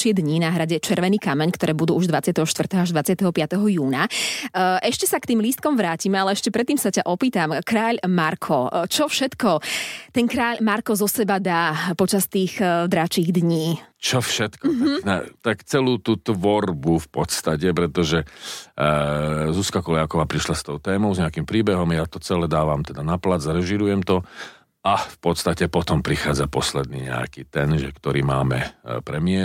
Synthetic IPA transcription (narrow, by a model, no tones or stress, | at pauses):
t͡ʃɪɛd̪ɲinaɦɾaɟɛt͡ʃɛɾʋɛniːkamɛɲkt̪ɔɾɛːbud̪uːuʒd̪ʋat͡sɪat̪ɛɦɔʃt̪ʋr̩t̪ɛɦɔaʒd̪ʋat͡sɪat̪ɛɦɔpɪat̪ɛɦɔjuːna | ʔɛʃcɛsakt̪iːmlist̪̚kɔmʋɾaːcimɛalɛɛʃcɛpɾɛt̪ːiːmsacaʔɔpiːt̪amkɾaːʎmaɾkʰɔt͡ʃɔfʃɛt̪kɔt̪ɛnkɾaːʎmaɾkɔzɔsɛbad̪aːpɔt͡ʃast̪iːɣd̪ɾat͡ʃiːɣd̪ɲiːt͡ʃɔfʃɛt̪kɔnɛt̪akt͡sɛluːt̪ut̪ʋɔɾbufpɔt̪st̪acɛpɾɛt̪ɔʒɛ | zuskakɔljakɔʋaːpɾiʃlast̪ɔʊt̪ɛːmɔʊzɲɛakimpɾiːbɛɦɔmjat̪ɔt͡sɛlɛd̪aːʋamt̪ɛd̪anaplad͡zɾɛʒiɾujɛmt̪ɔ | afpɔt̪st̪acɛpɔt̪ɔmpɾixaːd͡zapɔslɛd̪̚nḭːɲɛ̰a̰kiːt̪ɛnʒɛkt̪ɔɾḭːmaːmɛ̰pɾɛmɪɛ